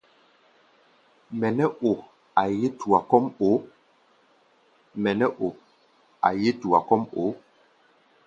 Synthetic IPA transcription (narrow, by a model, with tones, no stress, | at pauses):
mɛ˨nɛ˦ʔo˨ | a˨je˦tu˨a˨kɔ˦mo˨˦ | mɛ˨nɛ˦ʔo˨ | a̰˨je˦tu˨a˨kɔ˦mo˨˦